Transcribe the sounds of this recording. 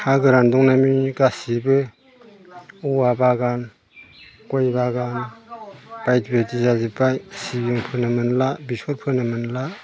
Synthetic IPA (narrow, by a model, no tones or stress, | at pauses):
haɡɯɾandɔŋnamiɡasibɯ | uwabaɡan | kojbaɡan | b̥ajtbetizazipajsibjɔŋpʰɯnɯmɯnlabisɔɾpʰɯnɯmɯnla